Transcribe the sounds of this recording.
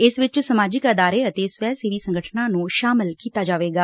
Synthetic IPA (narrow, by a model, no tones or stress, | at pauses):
ɪsʋɪt͡ʃsəmaːd͡ʒɪkəd̪aːɾeːət̪eːsʋɛːsɪʋiːsəŋɡəʈʰnãːnũːʃaːmɪlkiːt̪aːd͡ʒaːʋeːɡaː